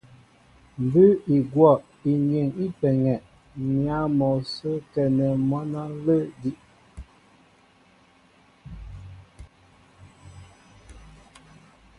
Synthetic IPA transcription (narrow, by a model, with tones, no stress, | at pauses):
m˨bʉ˦i˨ɡwɔ˦˨ʔ | i˨ɲe˨ŋi˦pɛ˨ŋɛ˨ʔ | mja˦mɔ˨sə˦kɛ˨nə˨mɔ˦na˦lə˦di˦ʔ